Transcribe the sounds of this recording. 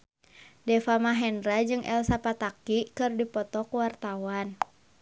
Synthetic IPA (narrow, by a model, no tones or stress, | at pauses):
dɛfamaɦɛnrad͡ʒɨŋʔɛ̰lsapat̪akikɨrdipɔt̪ɔkuwart̪awan